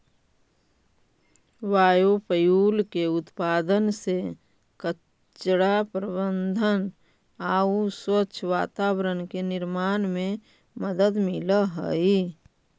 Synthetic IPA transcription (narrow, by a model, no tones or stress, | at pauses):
ʋaːjopəjuːlkeʊt̪paːd̪ənse | kə | t͡ʃɽapɾəbənd̪ʱən | aːuswət͡ʃʰʋaːt̪aːwɾənkenɪɾmaːnmẽ | məd̪əd̪mɪləɦə̰i